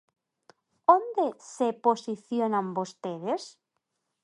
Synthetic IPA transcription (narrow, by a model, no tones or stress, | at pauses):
ond̪eseposiθjonambost̪eðes